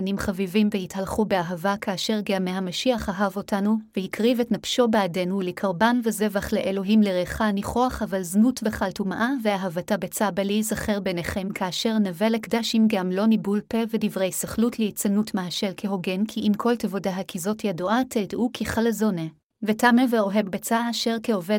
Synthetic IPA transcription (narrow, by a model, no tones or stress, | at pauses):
nimχavivimvehithalχubeaɦavakʰaːʃe̞ʁɡeamehamaʃiaχaɦavo̞tanuvehikʁivetnafʃo̞beade̞nulekʰaʁbanveze̞vaχleʔelo̞ɦimleʁeχaniχoaχavalznutveχaltumaʔaveaɦavatabet͡sabalizaχeʁbeneχemkʰaːʃe̞ʁnavelekdaʃimɡamlo̞nibulpevedivʁejsaχlutleit͡sanutmaɦaʃelkʰeɦo̞ɡe̞nkʰiʔimkʰo̞ltevodaɦakizo̞tjaduʔatedʔukʰiχalezone | vetameveo̞ɦe̞vbet͡saːʃe̞ʁkeove